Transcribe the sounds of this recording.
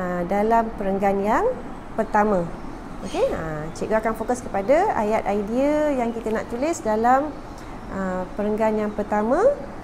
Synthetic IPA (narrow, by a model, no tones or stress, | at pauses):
ədalampəɾəŋɡanjaŋ | pərt̪amə̃ | okeət͡ʃeɡəakanfokaskəpadaa̰jat̪ajdiəjaŋkit̪əna̰ʔt̪ulɪsdalam | ʔəpəɾəŋɡanjaŋpərt̪amə̃